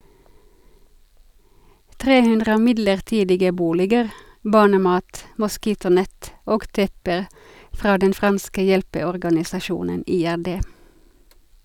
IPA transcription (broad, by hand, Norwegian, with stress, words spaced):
ˈtʁeː ˈhʉndʁə ˈmɪdləʁˌtiːdɪɡə ˈbuːlɪɡəɾ ˈbɑːɳəˌmɑːt mʊˈskiːtʊˌnɛt ˈoːɡ ˈtɛpəʁ ˈfʁɑː ˈdɛn ˈfʁɑnskə ˈjɛlpəɔʁɡɑnɪsɑˌʃuːnən ˈiːæʁˌdeː